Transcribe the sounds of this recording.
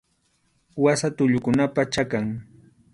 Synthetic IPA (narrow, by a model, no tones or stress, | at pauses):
wasat̪ʊʎʊkʊnapat͡ʃakaŋ